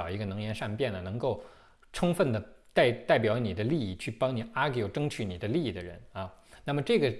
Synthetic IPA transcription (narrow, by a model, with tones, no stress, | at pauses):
ʊi˧˥ɡə˧nɤ˧˥ŋjɛ˧˥nʂa˥˧npjɛ˥˩nə˩nɤ˧˥ŋko˥˩ʊ | ʈ͡ʂʰʊ˥ŋfə˥˩nd̪ə˩t̪a˥˩ɪt̪a˥˩ɪpjɑ˧˥ʊni˨˩d̪ə˦li˥˧i˥˩t͡ɕʰy˥˩pɑ˥ŋni˨˩a˥ɡjo˨˩ʊʈ͡ʂɤ˥ŋt͡ɕʰy˨˥ni˨˩d̪ə˦li˥˧i˥˩d̪ə˩ɻə̰˧˥nɐ˧na˥˩mə˩ʈ͡ʂɤ˥˩ɡə˩